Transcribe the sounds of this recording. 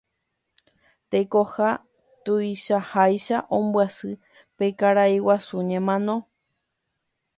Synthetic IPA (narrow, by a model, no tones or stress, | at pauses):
t̪ekoha | t̪uiʃahajʃaʔõmbwasɨ | pekaɾaiwasuɲẽmãnõ̞